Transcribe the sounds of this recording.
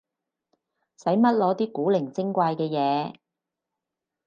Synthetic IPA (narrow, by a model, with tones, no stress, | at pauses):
sɐ˨˥jmɐ˥t̚lɔː˨˧t̪iː˥kuː˨˥lɪ˨˩ŋt͡sɪ˥ŋkʷaː˧jkɛː˧jɛː˨˧˦